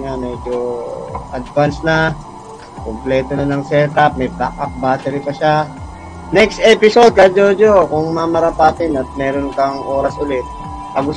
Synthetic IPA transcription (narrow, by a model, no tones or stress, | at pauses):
ŋamɛd͡ʒoʔɐd̪vansna | komplɛːt̪onɐnɐŋsɛɹt̪ɐp̚mɐjpakak̚baːt̪ɛɾɪpɐʃa | nɛkst̪ɛpɪso̞d̪̚kɐd͡ʒoːd͡ʒokʊŋmɐmɐɾɐpaːt̪ɪnɐt̪̚mɛːɾonkɐŋʔo̞ːɾɐsʔʊlɪt̪̚ | pɐɡʊ